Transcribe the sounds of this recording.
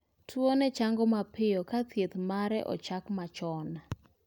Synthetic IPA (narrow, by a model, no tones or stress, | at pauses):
tʰwonɛt͡ʃaŋɡɔmapɪjɔkat̪jet̪maɾɛ̰ʔɔ̰t͡ʃakmat͡ʃɔna